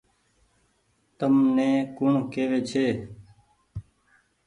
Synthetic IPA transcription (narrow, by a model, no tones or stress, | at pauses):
t̪əmnẽːkʊɳkeːʋeːt͡ʃʰeː